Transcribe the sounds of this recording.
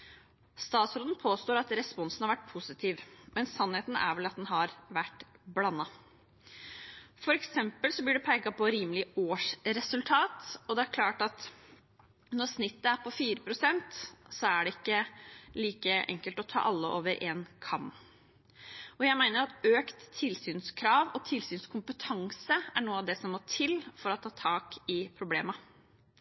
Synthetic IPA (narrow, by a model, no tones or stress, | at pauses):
st̪ɑːt̪sɾoːd̪n̩pʰoːst̪oːɾɑt̪ɾɛspɔnsn̩hɑɾʋæʈ̚ːpʰʊsɪt̪ʰiːʋmɛnsɑnheːt̪n̩æ̰ɾʋɛlɑt̪̚d̪ɛnɦɑɾʋæʈːblɑnːɑ | fɔɾɛksɛmpəlsɔblɪɖɛpʰæɪɡɑpɔɾiːməlɪoːʂɾɛsʉlt̪ʰɑːt̪ɔd̪ɛæɾkʰlɑːʈɑt̪ | nɔɾsnɪt̪ːəæɾpʰɔfiːɾəpʰɾʊsɛnt̪sɔæɖɛɪkːəliːkəɛ̰ŋkəlt̪ɔt̪ʰɑ̰ːʔɑlːəʔo̰ːʋəɾʔeːnkʰɑm | ɔjæɪmæɪnəɾɑt̪øːkt̪ʰːɪlsyːnskʰɾɑːʋɔt̪ʰɪlsyːnskʰʊmpət̪ʰɑŋsəæɳuːəɑʋd̪ɛsɔmːoːt̪ʰɪlfɔɾɔt̪ʰɑːt̪ʰɑːkɪpʰɾʊbleːmɑ